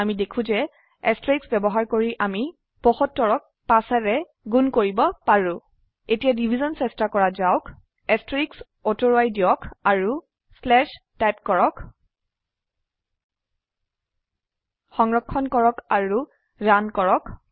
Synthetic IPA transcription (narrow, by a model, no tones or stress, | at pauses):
amidekʰũzɛ | ɛstɹiksbɛbɔɦaɹkoɹiʔami | pɔxɔtːɔɹɔk̚ | pasɛɹɛ | ɡunkoɹibɔpaɹʊ̃ | etijadibʱizɔnsɛstakɔɹazaʊk | ɛstɹiks | otoɹoajdijɔkaɹu | slɛʃ | tajp̚kɔɹɔk | xɔŋɹɔkʰːɔnkɔɹɔkaɹu | ɹankɔɹɔk